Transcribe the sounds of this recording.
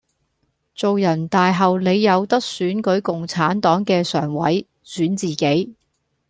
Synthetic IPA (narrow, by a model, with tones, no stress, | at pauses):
t͡so˨wjɐ˨˩nt̪aː˨jɦɐ˨wle˨˧jːɐ˨˧wt̪ɐ˥k̚syː˨˥nkɵ˨˥ɥkʊ˨ŋt͡sʰaː˨˥nt̪ɔː˨˥ŋkɛː˧sœː˨˩ŋwɐ˨˥j | syː˨˥nt͡siː˨ke˨˥j